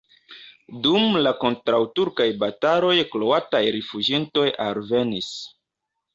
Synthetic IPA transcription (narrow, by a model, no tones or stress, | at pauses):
dumlako̞ntɾawtuɾkajbataɾo̞jklo̞atajɾefud͡ʒinto̞jalve̞nis